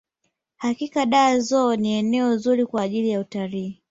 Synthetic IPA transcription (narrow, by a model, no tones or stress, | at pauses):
hakikaɗaːzɔːniɛnɛɔzuɾikwaːʄilijautaliː